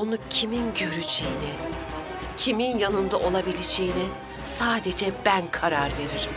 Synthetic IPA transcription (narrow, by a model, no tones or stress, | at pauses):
onucʰiminɟø̞ɾyd͡ʒejini | cʰiminjanɯnd̪aʔo̞lˠabilʲed͡ʒe̞jini | saːd̪e̞d͡ʒɛbænkʰaɾaɾve̞ɾiɾ̥m